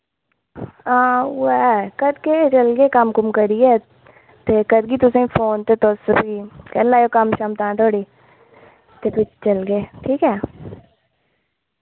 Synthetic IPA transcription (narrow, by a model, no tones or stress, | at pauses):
ãːwɛkɐd̪ket͡ʃɐlɡeːkamkʊmkəɾiɛː | t̪ekɐd̪ɡiːt̪ʊsẽĩfʰoːnt̪et̪oːsəbiːkɐlːaːjokamʃaːmt̪ãːt̪ʰoːɽiː | t̪epɪt͡ʃt͡ʃɐlɡeːʈʰiːkɛː